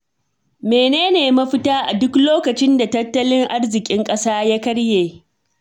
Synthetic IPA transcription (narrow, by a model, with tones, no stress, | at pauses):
meː˨neː˦neː˨mɐ˦ɸɪ˦taː˦ʔa˨dʊ˦kloː˦kɐ˨t͡ʃɪ˦nda˨tɐ˦tːɐ˦lɪ˦ŋʔa˦rzɪ˨kʲʼɪ˦ŋkʼɐ˦saː˦ja˦kɐ˦ɽjeː˨